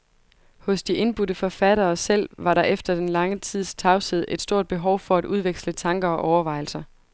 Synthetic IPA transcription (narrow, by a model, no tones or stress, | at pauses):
hɔ̽sd̥iʔe̝nb̥udəfɒ̽fæɾ̥ɐːsel̰ʋɑ̈ɾɑ̈ʔefd̥ɐd̥enlɑ̈ŋət͡sʰið̞̰ˠst͡sʰɑ̈ʊseð̰ˠe̝d̥sd̥o̝ɐd̥̚b̥e̝ɦɒʊfɒ̽æd̥ʔuðˠʋeɡ̥slət͡sʰɑ̈ŋɡ̥ɐɒ̽ʔɒʊɐʋɑ̈ɪ̰l̩sɐ